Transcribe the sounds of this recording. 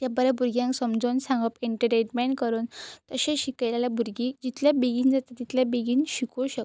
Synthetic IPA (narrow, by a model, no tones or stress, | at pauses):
t̪jabəɾɛbʱuɾɡjãŋksəmd͡zonsãŋɡəpeɳʈəʈeʈmɛnkəɾuːnt̪əɕẽɕikəjlalabʱuɾɡid͡ʑit̪ljabeɡiːnd͡zat̪at̪it̪ljabeɡiːnɕikʰoɕək